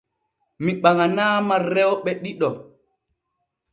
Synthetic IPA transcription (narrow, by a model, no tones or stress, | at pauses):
miɓaŋanaːmaɾɛwɓɛɗiɗɔ